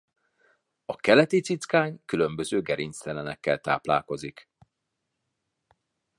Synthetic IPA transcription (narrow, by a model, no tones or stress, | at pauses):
ɒkɛlɛt̪it̪sit̪skaːɲkylø̞mbø̞zøːɡɛɾinst̪ɛlɛnɛkːɛlt̪a̰ːpla̰ːko̞zik